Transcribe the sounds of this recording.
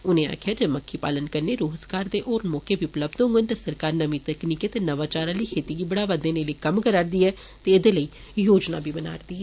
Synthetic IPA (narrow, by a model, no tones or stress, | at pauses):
ʊnẽːa̰ːkʰjaːd͡ʒeːməkʰːiːpaːlənkəɾneːɾoːzɡaːɾd̪eːʔoːɾmɔːkeːbiʊpləbd̪ɦʊ̃ŋɡənt̪eːsəɾkaːɾnəmĩt̪əkniːket̪enəʋaːt͡ʃaːɾaːliːkʰeːt̪iːɡiːbəɽaːʋəd̪ẽːneːlikəmkəɾaːɾd̪iːɛː | t̪eːed̪eːləiː | joːd͡ʒna̰ːbʱiːbəna̰ːɾd̪iːɛː